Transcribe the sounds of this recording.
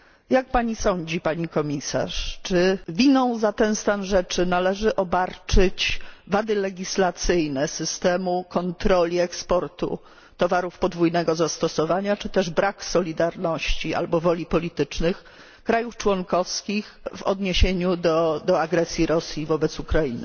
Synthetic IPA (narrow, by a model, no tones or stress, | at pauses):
jak̚paɲisɔɲd͡ʑipaɲikɔmʲisa̰ʂt͡ʂɘvʲinɔ̃w̃zat̪ɛnst̪anʐɛt͡ʂɘnalɛʐɘʔɔbaɾt͡ʂɘt͡ɕvad̪ɘlɛɡʲislat̪sɘjnɛsɘst̪ɛmukɔnt̪ɾɔlʲiɛkspɔɾt̪ṵ | t̪ɔvaɾufpɔd̪vujnɛɡɔzast̪ɔsɔvaɲat͡ʂɘt̪ɛʐbɾʔaksɔlʲid̪aɾnɔɕt͡ɕiʔa̰lbɔvɔlʲipɔlʲit̪ɘt͡ʂnɘx | kɾajuft͡ʂwɔŋkɔfskʲixvɔ̰d̪ɲeɕeɲud̪ɔd̪ɔaɡɾɛsʲjiɾɔsʲjivɔbɛt̪sukɾainɘ